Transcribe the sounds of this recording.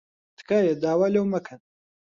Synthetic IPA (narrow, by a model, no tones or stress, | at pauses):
t̪kajed̪aːwalewmɐkʰən